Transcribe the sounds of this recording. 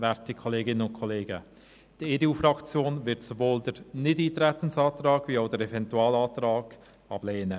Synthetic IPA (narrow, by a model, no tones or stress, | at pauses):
vɛɾtikʰɔleːɡɪnənʊnkʰɔleːɡə | d̥ieːdeːuːfɾɑkt͡sjoːnvɪɾtsovoːldəɾnɪdiːtɾɛt̪ənsɑːt̪rɑːɡ̥viːaʊdəɾɛvɛntuɑːlɑːt̪rɑːɡ̥ | ɑ̰b̥leːnə